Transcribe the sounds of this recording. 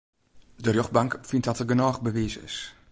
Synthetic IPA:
dərjoχbaŋkfɪnt̚dɔtərɡənɔːχbəʋiːzəɪ̰s

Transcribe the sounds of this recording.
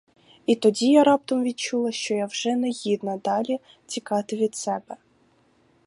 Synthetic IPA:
it̪ɔdʲijaɾɑp̚t̪ɐmʋʲid̪̚t͡ʃulˠɐʃt͡ʃɔjawʒɛnɛjid̪nɐd̪ɑlʲi | t͡sʲikɑt̪ɪʋʲid̪sɛbɛ

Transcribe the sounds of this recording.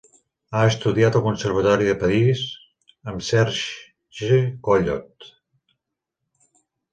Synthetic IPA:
aəst̪uðiat̪əlˠkunsəɾβ̞ət̪ɔɾiðəpəɾiz | əmsɛɾʒ | ʒekoʎɔt̪

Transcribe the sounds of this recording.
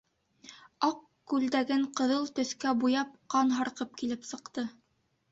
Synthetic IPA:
ɑq | kːʉld̪æɡɘɴqɤ̆ðɤlˠt̪ɵ̆θkæbujɑp̚qɑnɦɑɾqɤp̚kilɘpsɤ̆qt̪ɤ

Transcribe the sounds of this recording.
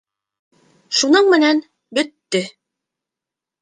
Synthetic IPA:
ʃunɤɴmɘ̆næn | bɵ̆t̪ːɵ

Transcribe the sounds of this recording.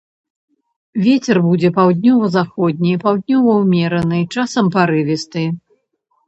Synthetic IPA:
vʲɛt͡sʲɛrbud͡zʲɛpawd̪̚ʲnʲɔvɐzaxɔd̪̚ʲnʲipawd̪̚ʲnʲɔvɐwmʲɛɾɐnɨt͡ʂasɐmpaɾɨvʲist̪ɨ

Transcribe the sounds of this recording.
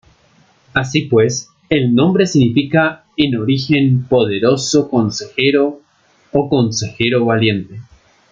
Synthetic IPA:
asipwe̞s | elnõ̞mbɾesiɣnifika | eno̞ɾixe̞mpo̞ðeɾo̞soko̞nse̞xeɾo̞ː | ko̞nse̞xe̞ɾo̞βalje̞nt̪e

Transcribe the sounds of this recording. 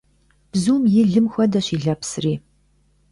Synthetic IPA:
b̥zuːmjɪɮɨmxʷɐdɐɕiːɮɐpsriː

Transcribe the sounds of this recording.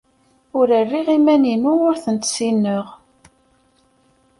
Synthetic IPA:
ʊɾərːiʁimæninuʊɾθənt̪sinːəʁ

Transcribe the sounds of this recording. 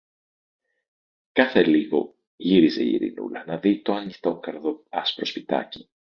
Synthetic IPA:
kɐθe̞liɣo̞̰ | ʝiɾize̞ḭɾḭnṵlɐnɐðit̪oɐnixt̪o̞ŋkɐɾðo̞ɐspɾo̞spit̪ɐ̰ci̥

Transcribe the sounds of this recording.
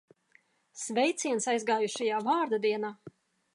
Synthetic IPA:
svʲɛjt̪siɛnsajzɡaːjuʃajaːvaːɾd̪ad̪iɛnaː

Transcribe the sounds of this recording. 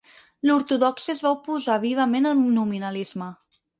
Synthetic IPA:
luɾt̪uðɔksizβawpuzaβ̞iβ̞əmenəlˠnuminəlizmə

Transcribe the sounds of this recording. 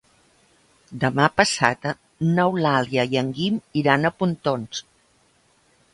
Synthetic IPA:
d̪əmapəsa̰t̪ə | nɔwlaljəjəŋɡimiɾanəpunt̪ons

